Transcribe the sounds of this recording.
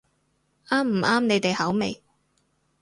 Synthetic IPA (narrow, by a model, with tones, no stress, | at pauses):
ʔaː˥m̩˨˩ʔaː˥mne˨˧jt̪e˨jhɐ˨˥wmḛ˨˧j